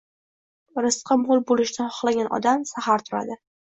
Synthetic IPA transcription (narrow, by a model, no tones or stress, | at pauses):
ɾɨsqʰɨmolˠbolɪʃnaχɒ̥χlˠaɡʲanɒ̰d̪amsahaɾt̪ʰʊɾa̰d̪ɪ